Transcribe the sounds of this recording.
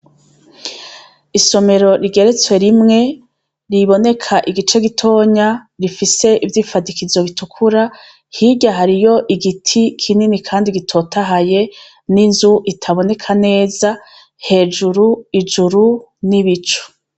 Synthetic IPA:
iso̞me̞ɾo̞ɾiɡe̞ɾe̞t͡swe̞ɾimŋe̞ | ɾiβo̞ne̞kʰaʔiɡit͡ʃe̞ɡitʰo̞ːɲaɾifise̞ʔivjiːfadikizo̞βitukʰuɾa | hiɟaɦaɾijo̞ʔiɡitʰikʰininikʰaːndiɡitʰo̞tʰaɦaje̞ | ninzuʔitʰaβo̞ne̞kʰane̞ːza | he̞ːd͡ʒuɾuid͡ʒuɾuniβit͡ʃo̥

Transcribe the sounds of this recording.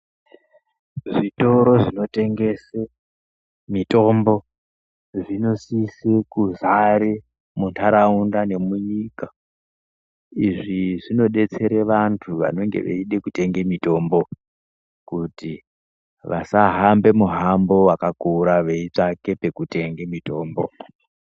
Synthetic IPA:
ʐito̞ɾo̞ʐino̞te̞ŋɡe̞se | mito̞mbo̞ | ʐino̞sisekuzaɾe | muntʰaɾaundane̞muɲika | iʐiʐino̞ɗe̞t͡se̞ɾe̞ʋantʰuʋa̰no̞ŋɡe̞̰ʋḛiɗe̞kute̞ŋɡemito̞mbo̞ | kuti | ʋa̰saɦambe̞muɦambo̞wakakuɾaʋe̞it͡ʂake̞pe̞kute̞ŋɡemito̞ːmbo̞̰

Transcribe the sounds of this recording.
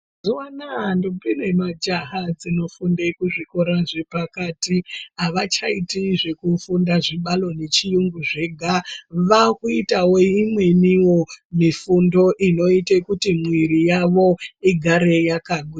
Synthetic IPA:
zuwanandobine̞mad͡ʒaɦad͡zino̞fundekuʐiko̞ɾaʐepakatiaʋat͡ʃaitiʐe̞kufundaʐiɓalo̞ne̞t͡ʃijuŋɡuʐe̞ɡʱaʋakuitawo̞imwe̞niwo̞mifundo̞ʔino̞itekutimwiɾijaʋo̞iɡʱaɾe̞jakaɡwi

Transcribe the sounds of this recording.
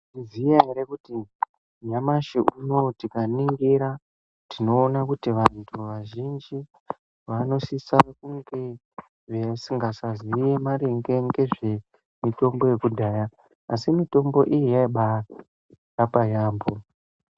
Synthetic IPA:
izijaɦeɾekuti | ɲamaʃiʔuno̞tikaniŋɡiɾa | tino̞ːnakutiʋantʰuʋaʒind͡ʒi | ʋano̞sisaakuŋɡe | ʐesiŋɡasazijemaɾeŋɡe̞ŋɡe̞ʐe̞ | mito̞mbo̞je̞kudʱaːjaː | simito̞mbo̞ʔijijaiɓa | japajaːmbo̞

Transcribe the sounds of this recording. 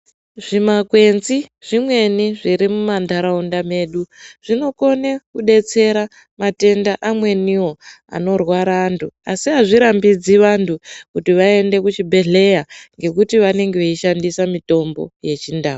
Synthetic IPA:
ʐ̥imakwe̞nziʐ̥imwe̞niʐiɾimumandaɾaundame̞ːɗuʐ̥ino̞ko̞nekuɗe̞t͡se̞ɾa | mate̞ndaʔamwe̞niwo̞ | a̰no̞rwaɾaːntʰuasiɦaʐiɾambid͡ziʋantʰukutiʋae̞nde̞kut͡ʃibʱe̞ɮe̞jaŋɡe̞kutiʋane̞ŋɡeʋeiʃandisamito̞mbo̞̰je̞t͡ʃindaːo

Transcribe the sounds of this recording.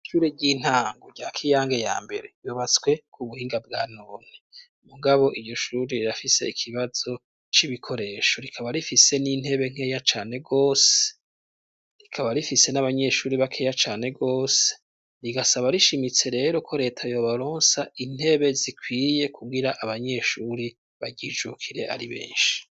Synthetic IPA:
ʃuɾeɟin̥haːŋɡoɾɟaːkʰijaːŋɡe̞ja̰ːmbe̞̰ɾe̞joβat͡swe̞kʰuβuhiːŋɡabɡaːnoːn̥i | muɡaβo̞ʔiɟo̞ʃuːɾiɾiɾafise̞̰ikʰiβaz̥o̞ | t͡ʃiβikʰo̞ɾe̞ʃo̞ɾikʰaβaɾifise̞nin̥he̞βe̞ŋ̥eːjat͡ʃaːne̞ɡo̞ːse | ɾikʰaβaɾifise̞naβaɲe̞ʃuːɾiβakʰejat͡ʃaːne̞ɡo̞ːse̥ | ɾiɡasaβaɾiʃimit͡se̞ɾe̞ːɾo̞kʰo̞ɾe̞ːtʰajo̞βaɾoːnsaʔin̥he̞βe̞zikʰwiːje̞kʰuɡiɾaʔaβaɲe̞ʃuɾi | βaɟid͡ʒukʰiɾe̞ʔa̰ɾiβḛːnʃi̥

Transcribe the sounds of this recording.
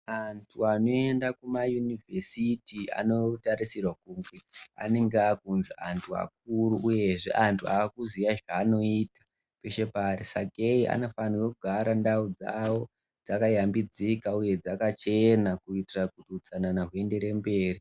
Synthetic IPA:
antʰuano̞e̞ndakumajunivʱe̞sitia̰no̞taɾisirwakuːŋɡe̞a̰ne̞ŋɡeakunzia̰ntʰua̰k̚uruʔuje̞ʐe̞̰ʔantʰuaːkuzijaʐaːno̞iːtḁ | peʃe̞parisaɡʱeiʔa̰no̞fanirokuɡʱaɾandaud͡za̰wo̞ | d͡zakajambid͡zikauje̞d͡zakat͡ʃe̞nakuitirakutiut͡sananaɦwe̞nde̞ɾe̞mbe̞ːri

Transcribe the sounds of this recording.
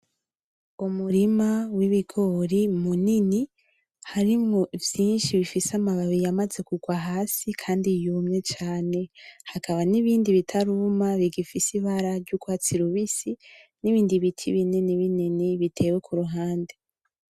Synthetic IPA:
umuɾimawiβiɡo̞ɾimunini | haɾimŋo̞vjiːnʃiβifisamaβaβijamaze̞kuɡwaɦaːsikʰaːndijumŋe̞t͡ʃaːne̞hakaβaniβiːndiβitʰaɾumaβiɡifisiβaɾaɾɟukwat͡siɾuβisi | niβiːndiβitʰḭβineniβininiβitʰe̞ːwekʰuɾuɦaːnde

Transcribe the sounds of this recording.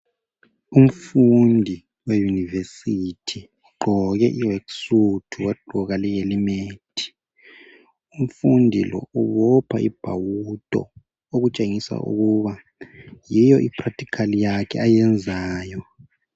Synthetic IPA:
um̩fundʱi | wejunivesitʰi | uɡ͡ǃʱɔɣɛʔiweksutʰuwed̥ʱuɣalɛjelimeːtʰi̥ | um̩fundʱilɔ̰uβɔpʰaʔib̥ʱawutʼɔ̰ | oɣut͡ʃʼeŋisa̰ʔṵɣuβa | jijɔʔipʰratʰʼi̥kʰalijakʰɛajɛnd͡zʱaːjɔ

